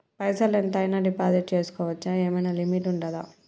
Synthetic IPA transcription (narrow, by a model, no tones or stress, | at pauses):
pɐjsɐlent̪ɐjnɐɖipaːd̪ɐt͡ʃeːsu̥kɔːʋɐt͡ʃːaeːmɐjnaːlimiʈuɳɖɐd̪a̰ː